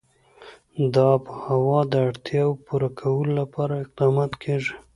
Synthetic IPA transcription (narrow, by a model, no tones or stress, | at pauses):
d̪ɑpəhawɑd̪əaɽt̪jɑwpuɾakʰawəlolapɑɾaɪq̚d̪ɑmɑt̪kʰeʐi